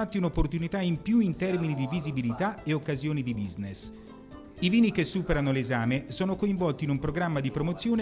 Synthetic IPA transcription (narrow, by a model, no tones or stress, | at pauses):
at̪ːiunopːort̪unit̪aimpjuint̪ɛrminid̪ivizibilit̪aeokːazjoːnid̪ibiznes | iviːnikesːuːpeɾanolezaːmesoːnokoiɱvɔlt̪iːnumpɾoɡɾamːad̪ipɾomot̪sːjoːn